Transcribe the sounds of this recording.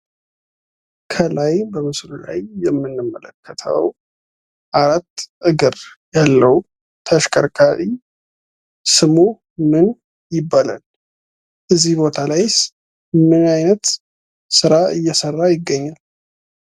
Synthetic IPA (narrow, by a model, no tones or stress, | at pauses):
kʰəlajbəmɨslula̰jːɛmːɨnːɨmːələkʰːət̪ʰə̰w | ʔaɾat̪ːʔɨɡɨɾjalːəw | t̪ʰəʃkʰʼəɾkʰaɾi | sɨmu | mɨn | jɪbːala̰l | ʔɨzːihbo̞t̪ʰalajs | mɨnajnət̪ | sɨɾaʔɨjːɛsərːajɪɡːəɲːal